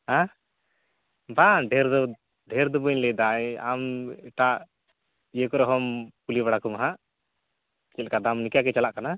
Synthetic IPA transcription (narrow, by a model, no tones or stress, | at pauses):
a | baɖʱɛɾd̪ɔ | ɖʱɛɾd̪ubɔɲlɛd̪aɛamɛʈaʔ | ijekɔɾɛɦɔmpulibaɽakɔmaɦaʔ | t͡ʃɛlkad̪amnikjakɛt͡ʃalaʔkana